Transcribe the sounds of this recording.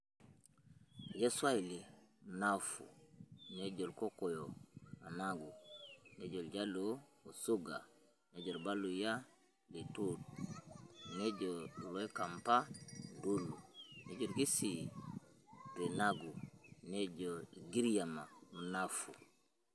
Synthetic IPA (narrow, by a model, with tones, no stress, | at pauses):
jo˦swa˦i˨li˨mu˨na˦fṵ˨ne˦d͡ʒo˨lko˦ko˨jo˨ma˨na˦ɡu˨ne˦ɟo˨lɟa˦lou˨su˦ɡa̰˨ | ne˦ɟo˨lba˦lu˨ja˦ | li˨tu˦d̚ | ne˦ɟo˨lo˦i˦ka˨mpa˦du˦lːu˨ne˦d͡ʒo˨lɡi˦si˨ | ɾi˨naɡu˨ne˦d͡ʒo˨lɡi˦ɾja˨ma˨mu˨na˦fu